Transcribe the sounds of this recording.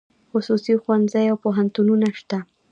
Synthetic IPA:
xʊsusixwanzajawpoɦant̪ununaʃt̪a

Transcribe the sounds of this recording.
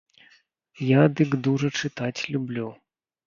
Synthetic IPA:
jad̪ɨɡd̪uʐɐt͡ʂɨt̪at͡sʲlʲublʲu

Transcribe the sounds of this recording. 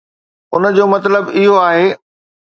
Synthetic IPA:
ʊnəd͡ʑoːmɐt̪ləbɪɦoaːɦeː

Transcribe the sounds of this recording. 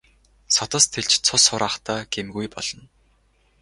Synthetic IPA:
sɔt̪ɞ̆st̪ʰeɮt͡ɕt͡sʰʊsʊɾʔaːχt̪ʰaːɡ̥emɡujpɔ̰ɮ̥ɞ̆n

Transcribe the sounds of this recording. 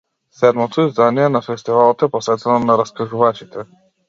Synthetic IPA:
sɛd̪mɔt̪ʰɔizd̪anijɛnafɛst̪ivalˠɔt̪ɛpɔsvɛt̪ɛnɔnaɾaskaʒuvat͡ʃit̪ʰɛ

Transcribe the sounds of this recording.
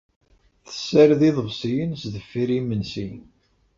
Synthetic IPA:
θə̥sːəɾðiðˤəvsˤijənsðəfːiɾimənsi

